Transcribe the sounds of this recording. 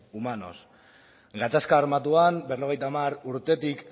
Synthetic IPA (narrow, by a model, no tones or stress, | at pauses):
umano̞̰s | ɡat̪askaːrmat̪uambero̞ɣ̞e̞jt̪amaɾuɾt̪e̞t̪ik